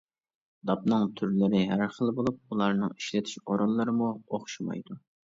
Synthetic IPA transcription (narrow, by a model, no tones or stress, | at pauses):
d̪ɑp̚nɨŋt̪ʰyɾlɪɾɪɦæɾχəlˠbolˠup̚ulˠɑɾnɨŋiʃlɪt̪ʰɪ̥ʃoɾolˠːɨɾɨmuoχʃumɑ̰jd̪u